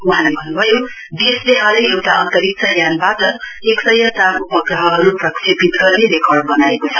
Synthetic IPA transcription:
uɦãlabʱʌnːubʱʌjo | d̪esd̪eɦãlajewʈaʌnt̪ʌɾik̚t͡sʌjanbatʌ | eksʌjʌsabupʌɡrʌɦʌʌɾuprʌkripit̪ɡʌrned̪ekʰʌɽbʌnaekot͡sʰʌ̥

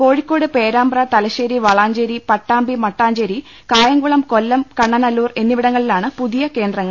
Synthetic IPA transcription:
ko̞ːɻikʲːo̞ːɽɨpeːɾaːmbrɐt̪ɐlɐɕeːɾiʋɐɭaːɲd͡ʑeːɾipɐʈːaːmbimɐʈːaːɲd͡ʑeɾi | kaːjɐŋɡuɭɐmkolːɐmkɐɳːɐnɐlːuːre̞nːiʋiɽɐŋːɐɭilaːɳɨpuðijɐke̞ːnd̪rɐŋːɐɭ

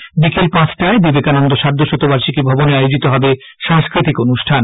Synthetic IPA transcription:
ɖikelpãsʰʈaebibekanɔnd̪oʃaɾd̪ʱoʃot̪obaɾʃikebʱɔboneajod͡ʑit̪oɦɔbe | ʃãŋskɾit̪ikonuʃʈʰan

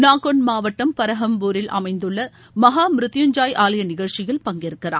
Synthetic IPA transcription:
naːkɔnmaːʋɐʈːɐmpɐɾɐɦɐmbuːɾɪlʔɐ̰mɐɪnd̪ɯɭːɐ | mɐɦaːmɾɯt̪ːɪjɐɲd͡ʒaːjʔaːlɐjɐnɪɣɐɭt͡ʃɪɣɐɭpɐŋɡɪɾɯkːɪra̰ː

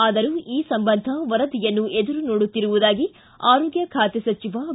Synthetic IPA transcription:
aːd̪ɐɾuiːsɐmbɐnd̪ʱɐʋɐɾɐd̪ijɐnːuʔed̪uɾunoːɽut̪ːiɾuʋud̪aːɡi | aːɾoːɡjɐkʰaːt̪ɛsɐt͡ʃiʋɐ

